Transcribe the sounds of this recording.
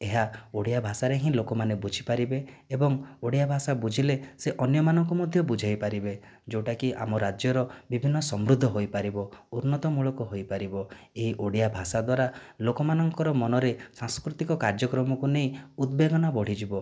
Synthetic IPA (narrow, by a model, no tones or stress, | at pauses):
eɦaoɽijabʱasaɾeɦĩlokɔmanebud͡ʒʱipaɾibeː | bɔŋoɽijabʱasabud͡ʒʱileseʔɔnjɔmanɔŋkumɔd̪ʱjɔbud͡ʒʱajpaɾibe | d͡ʒoʈakiʔa̰mɔɾad͡ʒjɔɾɔbibʱinːɔsɔmɾud̪ʱːɔɦojpaɾibɔuɾnɔt̪ɔmuɭɔkɔɦojpaɾibɔeɦiʔoɽijabʱasad̪waɾalokɔmanɔŋkɔɾɔmɔnɔɾesãŋskɾut̪ikɔkaɾd͡ʒɔkɾɔmɔkunejud̪̚beɡɔnabɔɽ̤id͡ʒibɔ